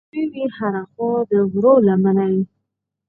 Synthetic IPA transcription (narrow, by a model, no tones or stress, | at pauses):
iwihaɾaxɔd̪əɣɾowlamanawi